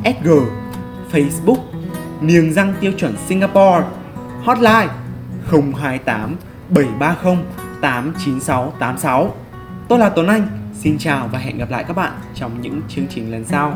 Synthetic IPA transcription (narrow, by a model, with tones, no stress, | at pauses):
ʔɛ˦˥t̚ɣəː˨˩ | fə˧jsɓʊ˦˥k̚ni˨˩əŋza˧ŋt̪i˧əwt͡ɕwə˧˩nsi˧ŋaː˧pɔ˧ | hɔ˦˥t̚laː˧jxə˧wŋ͡mɦaː˧jt̪aː˨˦m | ɓə˧˩jɓaː˧xə˧wŋ͡m | t̪aː˨˦mt͡ɕi˨˦nsa˨˦wt̪aː˨˦msa˨˦w | t̪o˧jlaː˨˩t̪o˨˩nʔa˧jŋ̟si˧nt͡ɕaː˨˩wvaː˨˩ɦɛ̰˧˨nɣa˨˩p̚la̰ː˧˨jkaː˦˥k̚ɓa̰ː˧˨nt͡ɕɔ˧wŋ͡mɲɨ̰˧˥ŋt͡ɕɨ˧əŋt͡ɕï˨˩ŋ̟lə˨˩nsa˧w